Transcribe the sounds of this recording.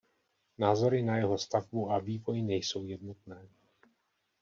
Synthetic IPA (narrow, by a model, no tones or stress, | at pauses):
naːzo̞ɾɪnajɛɦo̞st̪avbuʔaviːvo̞jɪnɛjso̞wjɛd̪not̪̚nɛː